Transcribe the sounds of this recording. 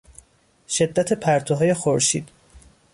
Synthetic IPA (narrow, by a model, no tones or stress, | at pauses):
ʃe̞d̪ːæt̪ʰepʰæɾt̪ʰoɦɒːje̞xoɾʃḭːd̪̥